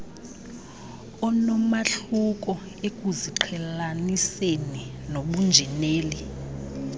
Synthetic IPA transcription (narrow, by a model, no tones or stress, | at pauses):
ɔnɔmaɬukʼɔ | ek̬ʼuziǃʰɛlaniseninoɓund͡ʒʱɛneːli